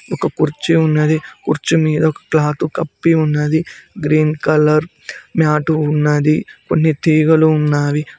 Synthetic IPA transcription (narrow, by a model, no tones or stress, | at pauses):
ɔkɐkuɾt͡ʃiunːɐd̪ikuɾt͡ʃimiːd̪ɐɔkɐ̥klaːt̪ukɐpːiunːɐd̪iɡɾiːnkɐlɐɾ | mjaːʈuːnːɐd̪ikonːit̪iːɡɐluːnːaːʋi